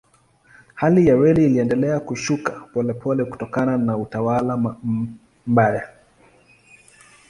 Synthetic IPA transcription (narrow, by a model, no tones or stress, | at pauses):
halijawɛliːliɛndɛlɛakuʃukapɔlɛpʰɔlɛku̥tɔkananautawala | m̩baja